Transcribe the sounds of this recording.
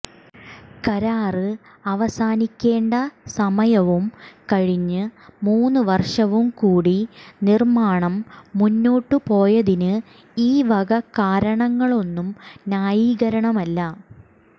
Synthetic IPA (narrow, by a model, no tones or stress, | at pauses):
kɐɾaːrɨ | ɐʋɐsaːnikʲːe̞ːɳɖɐsɐmɐjɐʋumkɐɻiɲːɨmuːnːɨʋɐrʂɐʋumkuːɽinirmaːɳɐmːunːoːʈːɨpo̞ːjɐðinɨ | iːʋɐɡɐkaːɾɐɳɐŋːɐɭo̞nːumnjaːjiːɣɐɾɐɳɐmɐlːɐ